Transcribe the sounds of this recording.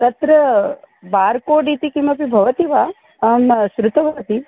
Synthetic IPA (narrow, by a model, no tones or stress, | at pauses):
t̪ɐt̪ɾə | baɾkoɖit̪ikimɐpibʱɐʋət̪iʋa | ɐmʃɾut̪əʋɐt̪i